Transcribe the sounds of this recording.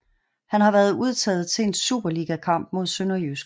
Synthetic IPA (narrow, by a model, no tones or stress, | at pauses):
hænhɑ̈ʋæɐðˠuð̞ˠt͡sʰɛ̰ːð̞̩ˠt͡sʰe̝ensṵːb̥ɐliɡ̥ækʰɑ̈m̰b̥mo̝ðˠsønɐjysɡ̥